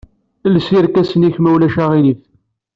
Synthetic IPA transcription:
lsiɾkæsəniçmæwlæʃæʁiliθ

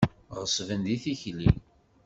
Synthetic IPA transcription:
ʁəsˤvənd̪iθiçli

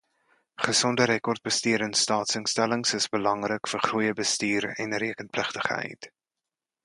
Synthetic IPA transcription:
χəsɔndəɾɛkɔrt̚bəstiəɾənstɑːtsəŋstæləŋsəsbəlɐŋrəkfərχrujəbəstiːɾɛ̰nriəkənpləχtəχɛ̰jt

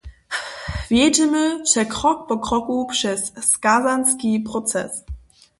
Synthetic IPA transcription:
vjɛtəməʃɛkʁɔk̚pɔkʁ̥ɔkupʂɛsːkazanskipʁɔt͡sɛ̰s

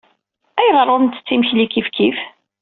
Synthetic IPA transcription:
æjʁɾˤoɾnt̪ə̥t͡sːiməçlikifkif

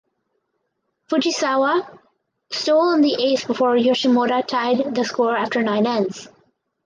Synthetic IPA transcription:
fʊd͡ʒisawa | stoʊlˠə̃nd̪iʔesbɪfɔːɹjoʃimoɾatʰaɪd̪ðəskɔɹæftə˞nãɪ̃nɛ̃ns

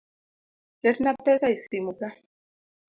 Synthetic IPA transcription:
leɾnapɛsaisimuka

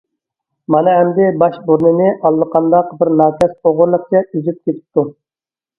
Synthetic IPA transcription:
mɑnɨɛmd̪ɪbɑʃbuɾnɨnɪʔɑlˠːəqʰɑnd̪ɑqbɪɾnɑːkʲʰɛsoʁʊɾlˠəq̚t͡ʃɛʔyzyp̚kʲʰet̪ʰɪ̥p̚t̪ʰu

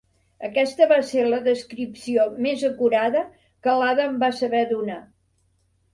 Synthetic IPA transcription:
əkɛst̪əβaseləðəskɾipsiomezəkuɾaðə | kəlaðəmbasəβɛðuna

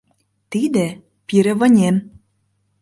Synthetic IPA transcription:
t̪id̪ĕ | piɾĕβɤ̆nʲem

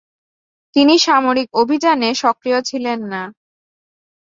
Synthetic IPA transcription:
t̪iniʃamoɾik̚obʱid͡ʑaneʃɔkɾijot͡ɕʰilenːa

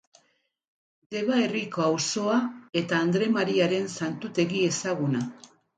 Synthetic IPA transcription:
d̪e̞βae̞rikoawso̞ae̞t̪aːnd̪ɾe̞maɾiaɾe̞nsant̪ut̪e̞ɣie̞saɣuna

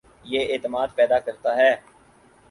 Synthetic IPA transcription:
jeːeːt̪əmaːd̪pɛːd̪akəɾt̪aɦɛː

